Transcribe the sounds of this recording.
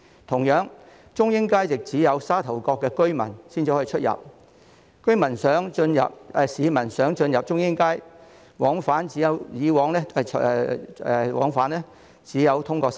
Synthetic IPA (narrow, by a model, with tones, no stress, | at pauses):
t̪ʰʊ˨˩ŋjœː˨˥ŋ | t͡ʃʊ˥ŋjɪ˥ŋkaː˥jt͡sɪ˨k̚t͡siː˨˥jɐ˨˧wsaː˥t̪ʰɐ˨˩wkɔː˧kːɛː˧kɵ˥ɥmɐ˨˩nsiː˥nt͡siː˨hɔ˧˥˨t͡ʃʰɵ˥t̚jɐ̰˨p̚ | kɵ˥ɥmɐ˨˩nsœː˨˥ŋt͡ʃɵ˧njɐ̰˨p̚ɛ˧siː˨˧mɐ˨˩nsœː˨˥ŋt͡ʃɵ˧njɐ˨p̚t͡ʃʊ˥ŋjɪ˥ŋkaː˥j | wɔː˨˥ŋfaː˨˥nt͡siː˨˥jɐ˨˧wjiː˨˧wɔː˨˥ŋlɛː˥˨ɛ˧ɛ˧wɔ̰ː˨˥ŋfaː˨˥nlɛː˥ | t͡siː˨˥jɐ˨˧wt̪ʰʊ˥ŋkɔː˧